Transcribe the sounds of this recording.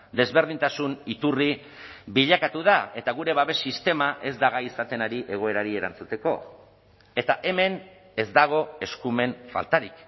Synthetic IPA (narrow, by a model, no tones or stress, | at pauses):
d̪e̞zβe̞ɾð̞int̪asunit̪uri | βiʎakat̪uðae̞t̪aɣ̞uɾe̞βaβe̞sːist̪e̞maʔe̞zd̪aɣaisat̪e̞naɾiʔe̞ɣ̞o̞e̞ɾaɾie̞ɾa̰nt͡sut̪e̞ko̞ | e̞t̪aʔe̞me̞n | e̞zd̪aɣ̞o̞e̞skume̞ɱfa̰lt̪aɾik